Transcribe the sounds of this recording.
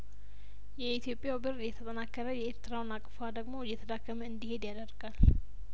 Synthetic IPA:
jɛit̪ʰjo̞pʼjawbɨɾjɛt̪ʰət̪ʼənakːəɾəjɛeɾt̪ʰɨɾawnakʼfad̪əɡmo̞jɛt̪ʰəd̪akːəməɨnd̪ihe̞d̪jad̪əɾɡ̥al

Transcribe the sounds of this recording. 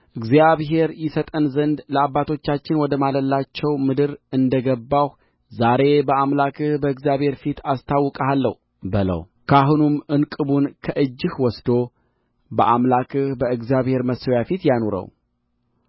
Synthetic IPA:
ʔɨɡzjaβɦe̞ɾjɪsət̪ʼənzənd̪ləabːat̪ʰo̞t͡ʃːat͡ʃːɪnwɔd̪əmaləlːat͡ʃːɛwmɨd̪ɨɾɨnd̪əɡəbːah | zaɾe̞bəamlakʰɨhbəɨɡzijaβhe̞ɾfit̪ʰast̪ʰawːɔkʼəalːəhu | bɨlə̰w | kʰaɦunumɨnkʼɨβunkʰəʔɨd͡ʒːɨhwɔsd̪o̞ | bəʔamlakɨhbəɨɡzjaβhe̞ɾməsəwjafit̪janoɾə̰w

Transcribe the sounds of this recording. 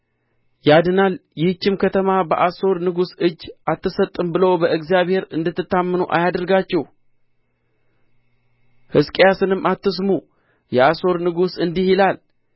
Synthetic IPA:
jad̪ɨnaljɪht͡ʃːɪmkʰət̪ʰəmabəʔaso̞ɾnɨɡusɨd͡ʒːat̪ːɨsət̪ʼːɨmbɨləwbəʔɨkzijaβhe̞ɾɨnd̪ɨt̪ːɨt̪ːamːɨnuʔa̰jad̪əɾɡat͡ʃːɛh | hɨskʼjasɨnɨmːʔat̪ːɨs̬mu | jɛaso̞ɾnɨɡusɨnd̪ihilal

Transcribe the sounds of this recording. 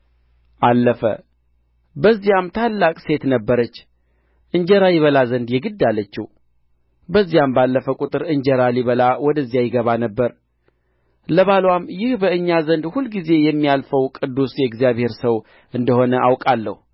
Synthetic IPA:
ʔalːəfə̰ | bəzːijamt̪ʰalːakʼse̞t̪nəbːəɾət͡ʃː | ʔɨɲd͡ʒɛɾajɪβəlazənd̪jɛɡɨd̪ːalːət͡ʃːɪ | bəzːijambalːəfəkʼut̪ʼɨɾɨɲd͡ʒɛɾaliβəlawɔd̪əzːijajɪɡəβanəbːəɾ | ləβalwamːjɪhbəɨɲːazənd̪hulːɡize̞jɛmːijalfəwkʼɨd̪ːusjɛɡzijaβhe̞ɾsəw | ʔɨnd̪əho̞nəʔawkʼalːə̰hu

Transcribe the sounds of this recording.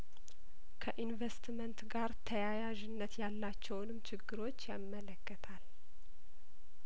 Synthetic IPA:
kʰəʔinvest̪mənt̪ɡaɾt̪ʰəjajaʒɪnːət̪jalːat͡ʃːɛwnɨmt͡ʃʰɪɡːɨɾo̞t͡ʃːjamːələkːət̪ʰal

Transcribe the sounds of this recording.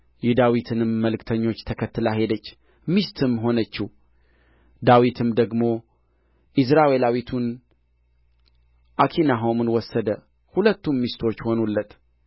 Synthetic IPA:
jɛd̪awit̪ʰɨnɨmːəlɨkt̪ʰəɲːo̞t͡ʃːt̪ʰəkʰət̪ːɨlaɦe̞d̪ət͡ʃː | mist̪ʰɨmɦo̞nət͡ʃːih | d̪awit̪ʰɨmd̪əɡmo̞ | ʔɪs̬ɾawelawit̪ʰun | ʔakʰinaɦo̞mɨnwɔsːəd̪ə | hulət̪ːunmist̪ʰo̞t͡ʃːho̞nulːət̪

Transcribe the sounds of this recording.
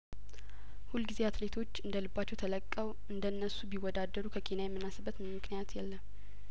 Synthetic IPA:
hulɡizeat̪le̞t̪ʰo̞t͡ʃːɨnd̪əlɨbːat͡ʃːɛwt̪ʰələkʼːəw | ɨnd̪ənːəsubiwɔd̪ad̪ːəɾukʰəkʰenajɛmːɨnːasɨbːət̪mmːɨknijat̪jɛlːəm

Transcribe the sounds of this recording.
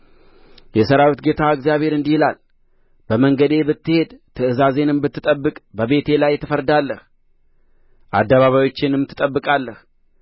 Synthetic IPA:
jɛsəɾawit̪ɡe̞t̪ʰaɨkzjaβhe̞ɾɨnd̪ihɪlal | bəməŋɡəd̪e̞bɨt̪ːɨhe̞d̪t̪ʰɨɨzaze̞nɨmbɨt̪ːɨt̪ʼəbːɨkʼbəβe̞t̪ʰe̞lajːt̪ʰːəfəɾd̪alːəh | ʔa̰d̪ːəβaβajwo̞t͡ʃːɪnɨmːɨt̪ʰːɨt̪ʼəbːɨkʼalːəh

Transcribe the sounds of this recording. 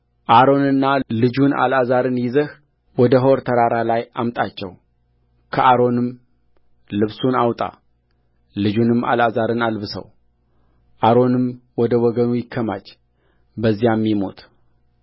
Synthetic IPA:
ʔaɾo̞nɨnːalɨd͡ʒuna̰lazaɾɨnjɪzəh | wɔd̪əɦoɾt̪ʰəɾaɾalajʔamt̪ʼat͡ʃːɛ̰w | kʰəʔaɾo̞nɨm | lɨβsunawt̪ʼa̰ | lɨd͡ʒunɨmːa̰lazaɾɨnalbɨsə̰w | ʔaɾo̞nɨmwɔd̪əwɔɡənujɪkʰːəmat͡ʃː | bəzːijamːimo̞̰t̪

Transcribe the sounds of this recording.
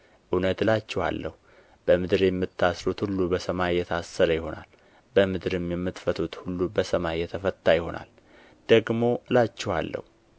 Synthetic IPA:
ʔunət̪ɨlat͡ʃːɛha̰lːə̰hu | b̥əmɨd̪ɨɾjɛmːɨt̪ʰːasɾut̪hulːubəsəmajɛt̪ʰasːəɾəjɪho̞na̰l | bəmɨd̪ɨɾɨmjɛmːɨt̪fət̪ʰut̪hulːubəsəmajjɛt̪ʰəfət̪ːajɪho̞na̰l | d̪̥əɡmo̞ʔɨlat͡ʃːɛha̰lːə̰hu

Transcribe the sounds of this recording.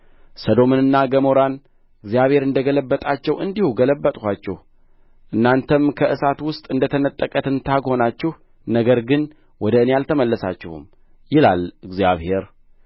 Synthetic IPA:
səd̪o̞mɨnɨnːaɡəmo̞ɾan | ɨɡzijaβhe̞ɾɨnd̪əɡələbːət̪ʼat͡ʃːɛwʔɨnd̪ihuɡələbːət̪ʼhʷat͡ʃːɛh | ʔɨnːant̪ʰəmkʰəʔɨsat̪wʊst̪ʼɨnd̪ət̪ʰənət̪ʼːəkʼət̪ʰɨnt̪ʰaɡho̞nat͡ʃːɛh | nəɡəɾɡɨn | wɔd̪əɨnejalt̪ʰəməlːəsa̰t͡ʃːɛhṵm | jɪla̰lɨɡzijaβhe̞ɾ

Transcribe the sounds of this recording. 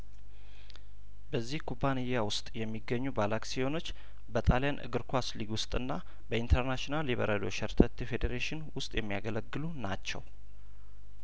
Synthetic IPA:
bəzːihkʰubanijːawʊst̪ʼjɛmːiɡːəɲːubalaksiho̞no̞t͡ʃː | bət̪ʼaljanʔɨ̰ɡɨɾkʰʷwasliɡwʊst̪ʼɨnːa | bəint̪ʰəɾnat͡ʃnaljiβə̰ɾəd̪o̞̰ʃɛɾt̪ʰət̪ifed̪eɾeʃɪnwʊst̪ʼjɛmːija̰ɡələɡːɨlunat͡ʃːɛ̰w

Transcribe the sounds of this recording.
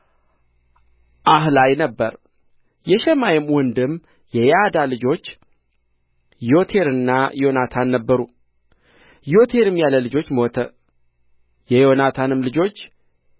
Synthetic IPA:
ʔaɦlajnəbːəɾ | jɛʃɛmajɪmwɔnd̪ɨm | jɛjad̪alɨd͡ʒo̞t͡ʃː | jo̞t̪ʰe̞ɾɨnːajo̞nat̪ʰanːəbːəɾu | jo̞t̪ʰe̞ɾɨmjaləlɨd͡ʒo̞t͡ʃːməwoɔt̪ʰə | jɛjonat̪ʰanɨmlɨd͡ʒo̞t͡ʃː

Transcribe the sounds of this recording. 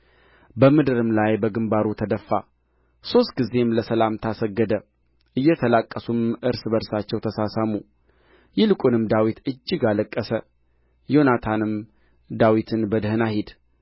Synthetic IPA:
bəmɨd̪ɨɾɨmlajbəɡɨmbaɾut̪ʰəd̪əfːa̰ | so̞st̪̚ɡize̞mləsəlamt̪ʰasəɡːəd̪ə | ʔɨjːɛt̪ʰəlakʼːəsumʔɨɾsbəɾsat͡ʃːɛwt̪ʰəsasamu | jɪlɨkʼunɨmd̪awit̪ɨd͡ʒːɪɡaləkʼːəsə | jo̞nat̪ʰanɨm | d̪awit̪ʰɨnbəd̪hɨnahid̪

